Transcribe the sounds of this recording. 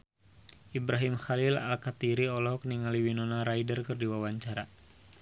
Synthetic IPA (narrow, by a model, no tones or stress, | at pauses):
ʔibɾaɦimxalila̰lkat̪iɾiɔlɔɦɔkniŋaliwinɔnaɾaidərkɨrdiwawaɲt͡ʃaɾa